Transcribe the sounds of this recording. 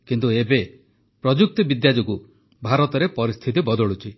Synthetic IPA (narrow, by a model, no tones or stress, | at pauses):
kint̪uebe | pɾɔd͡ʒuk̚t̪ɔbid̪jad͡ʒɔku | bʱaɾɔt̪ɔɾepɔɾist̪ʰit̪ibɔd̪ɔɭut͡ʃʰi